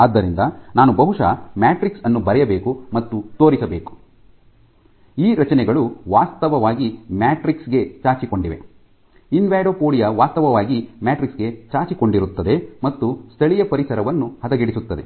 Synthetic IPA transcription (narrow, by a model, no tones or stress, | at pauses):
aːd̪ːɐɾind̪ɐnaːnubɐɦuʂɐ̰maːʈɾiksɐnːubɐɾɛjɐbe̞ːkumɐt̪ːut̪o̞ːɾisɐbeːku̥ | iːɾɐt͡ʃɐnɛɡɐɭuʋaːst̪ɐʋɐʋaːɡimaːʈɾiksɡe̞t͡ʃaːt͡ʃiko̞ɳɖiʋe̞̰ | inʋaːɖoːkoːɽijɐʋaːst̪ɐʋɐʋaːɡimaːʈɾiksɡe̞t͡ʃaːt͡ʃiko̞ɳɖiɾut̪ːɐd̪e̞mɐt̪ːust̪ʰɐɭijɐpɐɾisɐɾɐʋɐnːuhɐt̪ɐɡiɽisut̪ːɐd̪e̞